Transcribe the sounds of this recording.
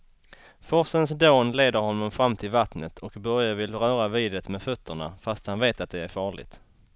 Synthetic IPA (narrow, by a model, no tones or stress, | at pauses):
fɔsənsd̪oːnleːd̪əɾhɔnːɔmfɾamːt̪ʰɪlvat̪nət̪ʰɔkbœɾjavɪlɾœːɾaviːd̪ət̪meːfɵt̪ʰːəɳa̰fast̪hanveːt̪at̪̚d̪ɛæɾfɑːɭɪ̰ɡt̪